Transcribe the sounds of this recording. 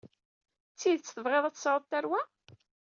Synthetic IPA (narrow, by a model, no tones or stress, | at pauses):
t͡sːiðt͡sːθəvʁeðˤæt͡sːsɾəðˤt̪ːæɾwæ